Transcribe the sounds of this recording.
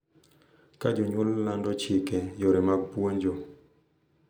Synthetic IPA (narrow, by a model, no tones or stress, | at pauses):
kad͡ʒoɲwɔlːandɔt͡ʃɪkɛjoɾemaɡ̚pwoɲd͡ʒɔ